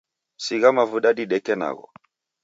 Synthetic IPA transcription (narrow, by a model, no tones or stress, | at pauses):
siɣamavuɗaɗiɗekena̰ɣo̰